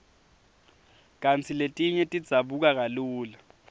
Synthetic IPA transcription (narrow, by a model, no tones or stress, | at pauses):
k̬ʼant͡sʰiletʼiɲɛtʼid̥z̥ʱaɓuk̬ʼak̬aluːla